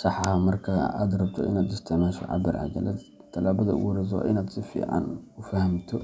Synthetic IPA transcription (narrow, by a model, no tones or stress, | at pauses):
sɑħɑmɐrkʰɐa̰ːd̪rɐb̚t̪ʰɔɪnaːd̪ɪst̪ʰɛmɛːʃɐ̰ʕɑ̰bɪrʕɑ̰d͡ʒɐ̰lɛd̪ | t̪ʰːɐlaːβɐðɐ̰wuɾɛs̬ɔ̰ʔɪnaːd̪sɪfḭːʕɑ̰nʊfɐhɐmt̪ʰɔ